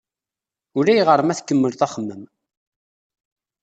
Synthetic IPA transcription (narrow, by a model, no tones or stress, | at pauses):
ʊɾæjʁəɾˤmæθkːəmːəlθæχəmːəm